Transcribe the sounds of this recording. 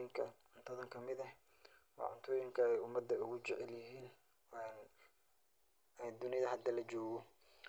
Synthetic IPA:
ɪŋkʰɐʕʊnt̪ʰɔðɐŋkʰɐmɪðɐ | wɑ̰ʕʊ̰nt̪ʰɔːjɪŋkʰɐɛjʊmːɐd̪ːɐʊɣʊt͡ʃɛʕɛljɪɦiːn | ɛn | d̪ʊnɪðɐɦɐd̪ɐlɐd͡ʒɔːɣɔ

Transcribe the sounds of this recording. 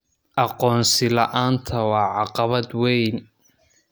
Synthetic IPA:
ʔɑqɔːnsɪlɐʔaːnt̪ʰɐwɑːʕɑqɑβɐd̪wɛjn

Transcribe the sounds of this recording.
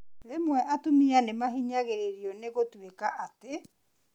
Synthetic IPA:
ɾemwɛʔatumianemaɦiɲaɣeɾeɾioneɣotuekaʔate

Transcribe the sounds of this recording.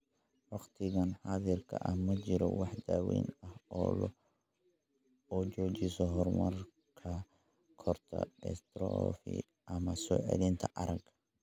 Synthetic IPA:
wɑqt̪ʰɪɣɐnħaðɪrkʰɐ̰ʔɐhmɐt͡ʃɪɾɔ̰wɑħd̪aːwḭːnɐhɔːlɔ | ɔt͡ʃɔːt͡ʃɪsɔɦɔrmɐr | kʰɐ | kʰɔrt̪ʰɐ̰ɛ̰st̪ɾɔfḭ | ʔɐmɐsɔ̰ːʕɛ̰lint̪ʰɐʔɐɾɐɡ

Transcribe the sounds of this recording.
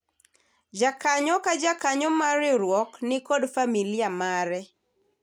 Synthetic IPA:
d͡ʒakaɲɔkad͡ʒakaɲɔmaɾɪɾwɔknɪkɔdfamiliamaɾɛ

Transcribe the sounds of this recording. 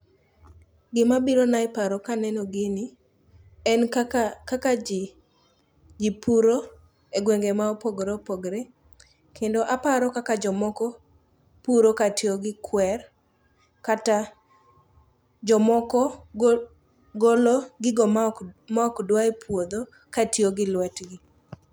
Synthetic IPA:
ɡɪmabiɾonaɪpaɾɔkanɛnɔɡɪnɪ | ɛnkakad͡ʒ | d͡ʒipuɾo | eɡweŋɡemaopoɡɾepoɡɾɛ | kʰendoʔapaɾɔkakad͡ʒɔmɔkɔ | puɾokatjoɡɪkʰwɛr | kata | d͡ʒɔmɔkɔ | ɡoloɡɪɡɔmakmaɔkdwaepwod̪o | katjoɡɪlwɛtɡɪ

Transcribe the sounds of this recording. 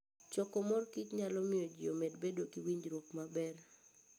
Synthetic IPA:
t͡ʃɔkɔmɔrkit͡ʃɲalɔmɪɔd͡ʒɪomedbedokiwiɲd͡ʒɾwokmabɛr

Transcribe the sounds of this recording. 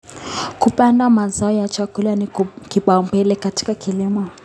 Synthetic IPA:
kupandamazaɔjat͡ʃakulanikiɓaumbɛlɛkati̥kakʰilimɔ

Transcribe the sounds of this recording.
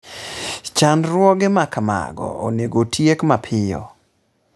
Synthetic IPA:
t͡ʃanɾwɔɡɪmakma̰ɡɔ̰oneɡotʰjekmapʰɪjɔ̰

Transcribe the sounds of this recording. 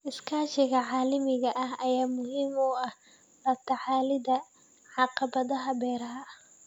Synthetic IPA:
ʔɪskʰaːʃɪɣɐʕɑːlɪmɪɣɐʔɐɦɐjaːmʊɦiːmuɐh | rɐb̚t̪ʰɐʕɑːlɪðɐ | ʕɑqɑbɐðɐɦɐbɛːɾɐɦɐ

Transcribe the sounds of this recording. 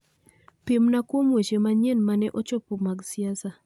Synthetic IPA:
pimnakwomwet͡ʃemaɲenmanɛʔɔt͡ʃɔpumaɡsiasa

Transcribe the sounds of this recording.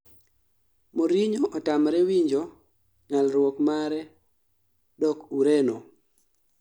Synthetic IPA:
moɾiɲoʔɔtamɾɛwiɲd͡ʒo | ŋalɾwɔkmaɾɛ | dɔkuɾeno

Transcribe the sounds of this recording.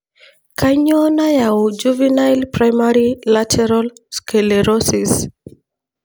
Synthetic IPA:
kʰaɲɔnajaud͡ʒuvinajlpɾajmaɾilatʰɛɾalskelɛɾɔsis

